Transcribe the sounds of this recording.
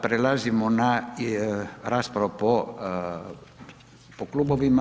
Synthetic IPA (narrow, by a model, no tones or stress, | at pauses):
pɾelazimona | ɾaspɾaopo | pokluboʋima